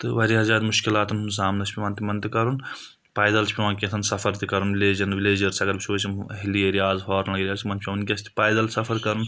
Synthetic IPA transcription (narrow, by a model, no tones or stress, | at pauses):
t̪ɨʋɐɾiɦɐzaːt̪muʃkilaːt̪ununs̬aːmnɐt͡ʃʰpʲiʋɐnt̪imɐnt̪ikɐɾun | paːjd̪ɐlt͡ʃʰpʲiʋãːnkʲet̪ʰɐnsɐfʰɐɾt̪ikɐɾunʋileːd͡ʒɐnʋileːd͡ʒɐɾsɐɡɐɾbʲit͡ʃʰoːt͡ʃʰʲiɦilijeɾijaːzɦɔːɾnɐɡɾʲjaːst̪imɐnpʰiɐʋɐnkʲɐst̪i̥paːjd̪ɐlsɐfʰɐɾkɐɾun